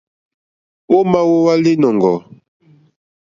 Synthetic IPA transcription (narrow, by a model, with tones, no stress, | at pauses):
wo˦ma˦wo˦wa˦li˦nɔ˨ŋɡɔ˨